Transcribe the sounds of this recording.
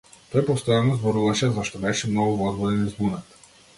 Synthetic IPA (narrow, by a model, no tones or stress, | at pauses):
t̪ɔjpɔst̪ɔjanɔzbɔɾuvaʃɛzaʃt̪ɔbɛʃɛmnɔɡuvɔzbɔd̪ɛnizbunat̪